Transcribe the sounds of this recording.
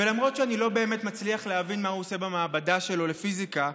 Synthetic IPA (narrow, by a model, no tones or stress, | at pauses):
velamʁo̞tʃeanilo̞be̞ːmetmat͡sliaχleavinmahuose̞bamaːbadaʃe̞lo̞lefizika